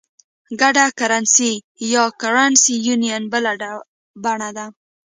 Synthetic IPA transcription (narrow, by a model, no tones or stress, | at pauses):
ɡaɖakaɾansi | jɑkaɾansijunijanbəlaa | baɳad̪a